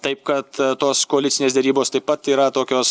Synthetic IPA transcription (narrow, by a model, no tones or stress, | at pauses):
t̪ɐɪp̚kɐt̪t̪oːskoɐlʲɪt̪sʲɪnʲeːsd̪ʲɛɾʲiːboːst̪ɐɪppɐt̪iːɾɐt̪oːkʲoːs